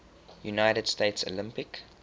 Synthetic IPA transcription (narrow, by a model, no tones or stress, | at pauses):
junaɪɾəd̥steɪtso̰lɪ̃mpɪk